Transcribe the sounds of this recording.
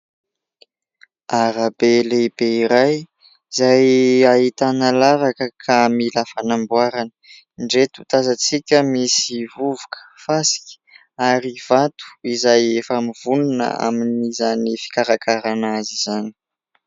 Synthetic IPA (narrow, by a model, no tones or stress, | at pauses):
aɾabelebeiɾaj | izajaɦit̪analavakəkʰamilafanambuaɾanə̥ | ɳɖ͡ʐet̪u̥t̪azat͡sikʲəmisivuvukʰə̥fasi̥kʲə̥ | aɾiv̥at̪u̥izajefamiv̥ununə̰a̰minizanifi̥kaɾakʰaɾanaziz̥ani̥